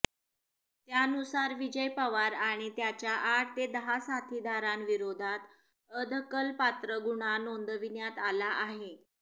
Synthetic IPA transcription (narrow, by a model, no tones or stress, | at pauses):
t̪janusaɾʋid͡ʑəjpəʋaɾaɽ̃it̪jat͡ɕjaʔaʈ̚ʰt̪ed̪əɦasat̪ʰid̪ʱaɾanʋiɾod̪ʱat̪ | əd̪ʱəkəlpat̪ɾəɡuɽ̃anond̪əʋinjat̪alaʔaɦe